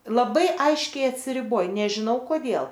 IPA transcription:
lˠɐˈbɐɪ ˈɐɪʃʲkʲɛɪ ɐtʲsʲɪrʲɪˈboːj nʲɛʒʲɪˈnɐʊ koːˈdʲeːlˠ

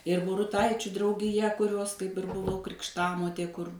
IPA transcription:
ɪr bʊrʊˈtɐɪt͡ʃʲʊ drɐʊɡʲɪˈjɛ kʊˈrʲoːs kɐɪp ɪr bʊˈʋɐʊ krʲɪkʃˈtɑːmoːtʲeː kʊr

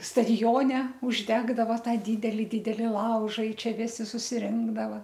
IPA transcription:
stɐdʲɪˈjoːnʲɛ ʊʒʲˈdʲæːɡdɐʋɐ ˈtɑː ˈdʲiːdʲɛlʲɪ ˈdʲiːdʲɛlʲɪ ˈlˠɐʊʒɐ ɪ ˈt͡ʃʲɛ ˈʋʲɪsʲɪ sʊsʲɪˈrʲɪŋɡdɐʋɐ

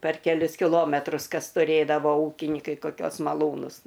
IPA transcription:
pʲɛr kʲɛˈlʲʊs kʲɪˈlˠoːmʲɛtrʊs ˈkɐs tʊˈrʲeːdɐʋoː ˈuːkʲɪnʲɪkɐɪ koːˈkʲuɔs mɐˈlˠuːnʊs

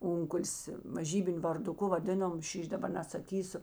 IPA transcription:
ˈʊŋkʊlˠs mɐˈʒʲiːbʲɪnʲʊ ʋɐrdʊˈkʊ ʋɐˈdʲeːnoːm ˈʃʲiːʃʲ dɐˈbɐr nʲɛsɐˈkʲiːsʊ

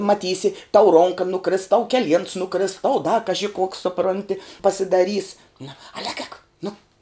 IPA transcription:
mɐˈtʲiːsʲɪ tɐʊ ˈroːŋkɐ nʊˈkrʲɪs tɐʊ kʲɛˈlʲiɛns nʊˈkrʲɪs tɐʊ dɐ kɐʒʲɪ koːks sʊˈproːnʲtʲɪ pɐsʲɪdɐˈrʲiːs nɐ ɐlʲ ɛːk ɛːk nʊ

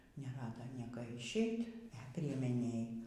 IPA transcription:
nʲɛˈrɑːdɐ ˈnʲiɛkɐ ɪʃʲˈɛɪtʲ ɛ pʲrʲiɛmʲɛˈnʲeːj

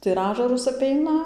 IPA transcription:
tɐɪ ɪr ˈɑːʒɐrʊs ɐˈpʲɛɪnɐ

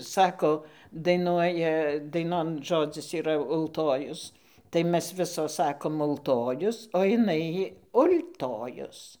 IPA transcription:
ˈsɑːkoː dɐɪˈnuɔjɛ dɐɪˈnoːn ˈʒoːd͡zʲɪs iːˈrɐ ʊlˠˈtoːjʊs tɐɪ ˈmʲɛs ˈʋʲɪsoːs ˈsɑːkoːm ʊlˠˈtoːjʊs oː ɪˈnɐɪ ʊlʲtoːjʊs

